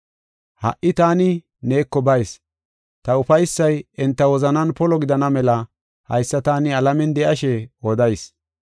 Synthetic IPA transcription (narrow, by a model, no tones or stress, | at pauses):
hɐ̰ʔɪt̪aːnɪ | neːkːɔbɐjs | t̪ɐʊfɐjsːɐjɛnt̪ːɐwɔzɐnɐnpɔlɔɡɪd̪ɐnɐmɛlɐ | hɐ̰jsːɐt̪aːnɪɐlɐmɛnd̪ɛʔɐʃɛɔd̪ɐjs